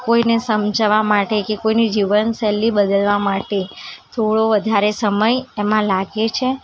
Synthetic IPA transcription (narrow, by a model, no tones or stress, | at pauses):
koinesəmd͡ʒʋamaʈekekoinid͡ʒiʋənsɛlːibəd̪əlʋamaʈet̪ʰoɽoʋəd̪ʱaɾesəməjemãlaɡet͡ʃʰe